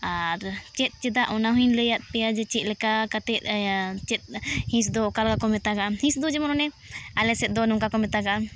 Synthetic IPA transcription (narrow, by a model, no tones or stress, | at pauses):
aɾt͡ʃɛt̪̚t͡ʃɛd̪aʔɔnaɦunləjat̪̚ˀpɛjad͡ʒɛt͡ʃɛʔ̪̚lɛkakat̪ɛt̪̚t͡ʃɛt̪̚hĩs̬d̪ɔkalkakɔmɛt̪aɡaʔamhĩsd̪ɔd͡ʒɛmɔɾɔnɛ | alɛsɛt̪̚d̪ɔnɔŋkakɔmɛt̪aɡaʔa